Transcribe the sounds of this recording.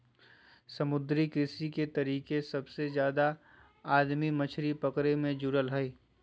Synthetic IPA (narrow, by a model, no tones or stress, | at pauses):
sɐmʊd̪ɾikɪsiket̪ɐɾiːkesɐbsezjaːd̪a | aːd̪mimɐt͡ʃʰɾipɐkɾemẽd͡ʒʊɾəlɦɛi